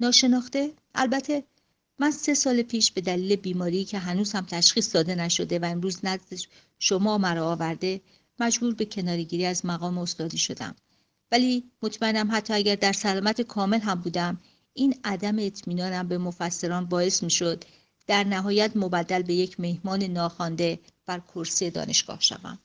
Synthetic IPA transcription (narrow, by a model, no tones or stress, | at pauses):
nɒːʃe̞nɒːxt̪e | ʔælbæt̪ʰe̞ | mænse̞sɒːlepʰiːʃb̥e̞d̪æliːle̞biːmɒːɾiːcʰe̞ɦænuːzhæmt̪ʰæʃxiːsd̪ɒːd̪e̞næʃo̞d̪e̞væemɾuːznæzd̪e | ʃo̞mɒːmæɾɔːvæɾd̪e̞ | mæd͡ʒbuːɾbe̞cʰe̞nɒːɾeɟiːɾiːæzmæɣɒːmeost̪ɒːd̪iːʃo̞̰d̪æ̰m | væliːmot̪ʰmæenæmɦæt̪ʰːɒːæɟæɾd̪æɾsælɒːmæt̪ʰekʰɒːme̞lɦæmbuːd̪æm | iːnæd̪æme̞ːt̪ʰmiːnɒːnæmbe̞mo̞fæsːeɾɒːnbɒːe̞smiːʃo̞d̪ | d̪̥æɾnæɦɒːjæt̪ʰmo̞bæd̪ːælbe̞je̞cʰme̞hmɒːne̞nɒːxɒːnd̪e̞b̥æɾkʰoɾsije̞d̪ɒ̰ːne̞ʃɡ̥ɒ̰ːhʃæ̰væ̰m